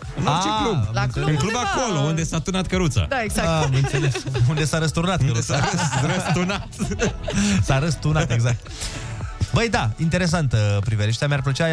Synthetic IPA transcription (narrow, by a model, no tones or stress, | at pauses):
ɨnart͡ʃeklubanɨŋklubakolound̪e̞sat̪unat̪̚kəɾut̪sa̰d̪aeɡzamɨnt̪seleskund̪e̞saɾəst̪urnat̪kəɾutsaɾəst̪unat̪ | saɾəst̪unat̪eɡzak̚t̪ | bəjd̪aint̪e̞ɾe̞s̬ant̪əpɾiveɾeʃt̪eamarplət͡ʃa